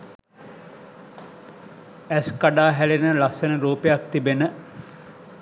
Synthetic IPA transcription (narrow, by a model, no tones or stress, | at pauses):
æskaɖaːɦælenəlasənəɾuːpejak̚t̪ibenə